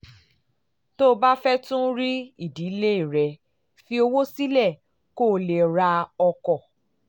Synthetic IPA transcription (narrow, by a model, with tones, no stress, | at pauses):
to˦˧ba˦fɛ˦tũ˦ɾi˦i˦˨di˨˦le˦i˦˨ɾɛ˧ | fi˧o˧wo˦si˦lɛ˦˨ | ko˦˨le˨ɾa˧ɔ˧kɔ˦˨